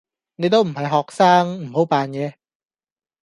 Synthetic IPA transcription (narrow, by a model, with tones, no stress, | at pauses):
ne˨˧jt̪̬o˥wm̩˨˩hɐ˨jɦɔː˨k̚saː˥ŋm̩˨˩ho˨˥wpaː˨njɛː˨˧